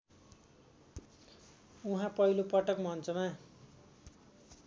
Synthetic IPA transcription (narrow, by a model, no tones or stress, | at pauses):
uɦãpʌɦilopʌʈʌkmʌnt͡sʌma